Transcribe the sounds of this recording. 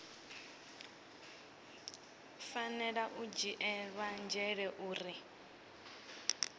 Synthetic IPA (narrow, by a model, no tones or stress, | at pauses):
fanɛɺaʔud͡ʒiʔɛβand͡ʒɛɺɛʔuːɾi